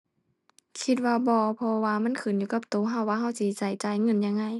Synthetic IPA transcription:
kʰi˧t̪̚waː˧bɔː˧pʰɔ˧waː˧ma˧˥˨nkʰɯː˨njuː˧ka˧˩p̚t̪oː˨˦ɦa˧˩˨waː˧˨ɦa˧˩˨wsiː˧˩t͡ɕa˨˩jt͡ɕa˨˦jŋɤ˧˥˨nja˧˨ŋːa˧˩˨j

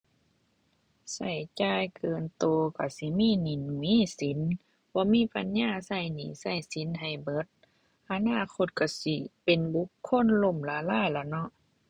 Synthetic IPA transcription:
sa˧˩jt͡ɕaː˧˨jkʰɤː˨nt̪oː˧˩ka˧˩si˧˦miː˧˥˨ni˧˨nu˨i˧˥˨si˨˦n | bɔː˧˦miː˧˥˨pa˧˨˦nɲaː˧˥˩sa˧˩jniː˧˨˩sa˧˩˨jsi˨˦nɦa˨˩jbɤ˧˦t̪̚ | ʔa˧naː˧˥˨kʰo˧˥t̪̚ka˧˩si˧˦pe˨nbu˧˦kʰːo˧˥˨nlo˧˨mlaː˧˦laː˧˥˨jla˧˩nɔ˧˦˨ʔ

